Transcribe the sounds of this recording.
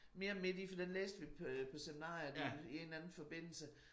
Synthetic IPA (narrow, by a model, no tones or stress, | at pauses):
me̝ːɐme̝d̥ifɒd̥enlḛːsd̥əʋipʰɒ̽seminɑ̰̈ːjɐeie̝nænn̩fɒ̽b̥e̝n̰l̩sə